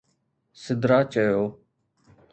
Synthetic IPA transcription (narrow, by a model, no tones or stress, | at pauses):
sɪd̪ɾaːt͡ʃəjoː